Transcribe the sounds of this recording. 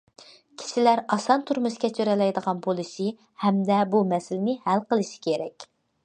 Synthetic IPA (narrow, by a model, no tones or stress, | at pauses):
kʲʰi̥ʃɪlæɾɑsɑnt̪ʰuɾmɨʃkʲɛt̪ʲʰøɾɛlɛjd̪əʁɑnbolˠɨsɨ | hɛmd̪ɛbumɛsɪlɪnɪhælqəlˠɨʃi̥kʲʰeɾɛkʲ